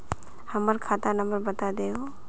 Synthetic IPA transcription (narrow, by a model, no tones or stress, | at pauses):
həməɾkʰat̪anəmbəɾbət̪ad̪eo